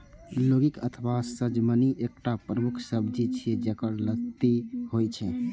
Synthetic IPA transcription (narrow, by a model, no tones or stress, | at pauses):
loɡikə̰t̪ʰbasəd͡ʒməniʔek̚ʈapɾəmukʰsəbd͡ʒit͡ʃʰed͡ʒekəɾlət̪ihojt͡ʃʰɛ